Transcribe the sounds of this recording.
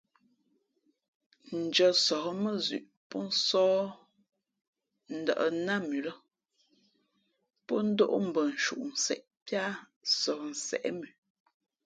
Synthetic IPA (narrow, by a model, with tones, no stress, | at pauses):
n̩˨d͡ʒə˨sɔ˨˦mə˦zʉ̰˨ʔ | pɔ˦n̩˦sɔː˦ | n̩˨də̰˨ʔə̰˨na˦mʉ˨lə˦ | pɔ˦n̩˦do˦ʔo˦m̩˨bə˨n̩˨ʃṵ˨ʔn̩˨sɛ̰˨ʔ | pja˦ | sɔ˨n̩˨sɛ̰˨ʔɛ˦mʉ˨